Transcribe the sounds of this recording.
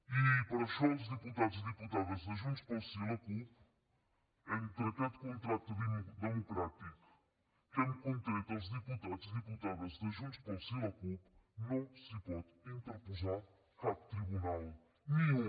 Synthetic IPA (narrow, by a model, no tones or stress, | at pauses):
ipɐɾɐʃɔuzðɨput̪aðuzðɨput̪aðɐzðɐʒũnt̪ʃpɔsilɐkup | ɛ̃ut̪ɾɐt̪aðkõnt̪ɾat̪ðd̪ɨmukɾat̪iku̥ | k̪ɛñukõnt̪ɾejt̪awzðɨput̪ad̪uzðɨput̪aðɐzðɐʒũnt̪ʃpɔsilɐkupnɐ̃w̃sɨpɔðĩnt̪ɨɾpuzaɾ | kaðt̪ɾiβunalˠ | iũ